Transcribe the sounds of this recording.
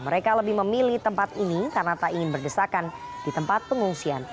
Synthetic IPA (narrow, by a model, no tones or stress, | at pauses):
məɾekaləbɪhməmiliht̪əmpat̪inikarənat̪aiŋɪnbərdəsakandit̪əmpat̪̚pəŋuŋsian